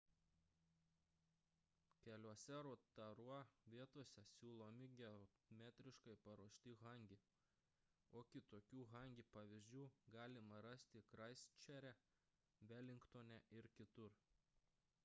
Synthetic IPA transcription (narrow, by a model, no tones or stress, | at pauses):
kʲɛlʲuɔsʲɛɾoːt̪ɐɾuɔʋʲiɛt̪oːsʲɛsʲuːlˠoːmʲɪɡʲɛo | mʲæːt̪ʲɾʲɪʃkɐɪpɐɾuɔʃʲt̪ʲɪɣɐŋʲɡʲɪ | oːkʲɪt̪oːkʲuːɣɐˑŋʲɡʲipɑʋʲɪzʲd͡ʒʲuːɡɑːlʲɪmɐɾɐsʲt̪ʲɪkɾɐɪsʲt͡ʃʲɛɾʲɛ | ʋʲæːlʲɪŋkt̪oːnʲɛʔɪɾkʲɪt̪ʊɾ